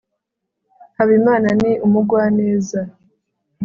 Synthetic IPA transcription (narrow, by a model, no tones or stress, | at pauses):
haβimaːnaniʔumuɡwaːne̞ːza